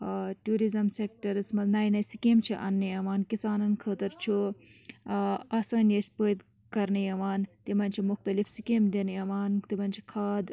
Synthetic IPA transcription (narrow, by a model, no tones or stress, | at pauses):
ʈuːɾizɐmsek̚ʈɐɾɨsmɐnɐːjnɐsikemt͡ʃʰiʔɐnːəjɐʋaːnkisaːnɐnkʰəːt̪ɐɾt͡ʃʰu | ɐsɐːnjespəːd̪ | kɐɾnijɐʋaːnt̪imɐnʲt͡ʃʰimʊxt̪ɐlifsikemd̪enjɐʋaːnt̪imɐnʲt͡ʃʰi̥kʰaːd̪